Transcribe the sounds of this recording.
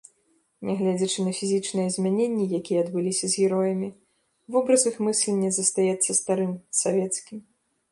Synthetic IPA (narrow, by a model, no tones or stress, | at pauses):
nʲɛɣlʲɛd͡zʲɐt͡ʂɨnɐfʲizʲit͡ʂnɐjɛzʲmʲɛnʲenʲːɛjakʲijɛːd̪bɨlʲisʲɐzʲɣʲiɾɔjɐmʲi | vɨbɾɐzɨxmɨsʲlʲɛnʲːɐzɐst̪ajɛt̪sːɐst̪aɾɨmsavʲɛt̪skʲim